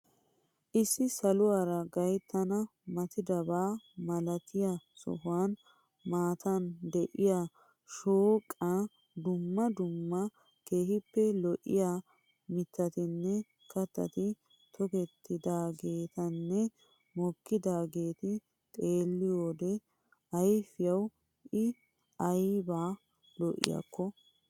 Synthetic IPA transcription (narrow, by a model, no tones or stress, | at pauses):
ʔɪsːɪsɐlʊwaːɾɐɡɐjt̪ːɐnɐmɐt̪ɪd̪ɐbaːmɐlɐt̪ɪjɐsɔ̰ɦʊwan | maːt̪ʰɐnd̪ɛʔɪja | ʃoːkʼːa | d̪ʊmːɐd̪ʊmːɐ | ke̞ːhɪpːɛlɔʔɪ̰jaː | mɪt̪ːɐt̪ɪnːɛ | kɐt̪ːɐ̰t̪ɪ | t̪ʰɔkɛt̪ːɪd̪aːɡe̞ːt̪ɐnːɛ | mɔkːɪd̪aːɡe̞ːt̪ɪ | t̪ʼe̞ːlːɪjoːd̪ɛ | ɐjfɪjɐw | ʔɪ | ɐjbaː | lɔʔɪ̰jɐ̰kːɔ